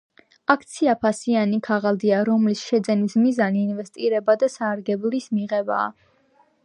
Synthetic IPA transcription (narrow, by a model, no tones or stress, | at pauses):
akʰt̪sʰiapʰasianikʰaʁalˠd̪iaɾɔmlisʃɛd̪zɛnismizaniːnvɛst̪ʼiɾɛbad̪asaːɾɡɛblismiʁɛba̰ː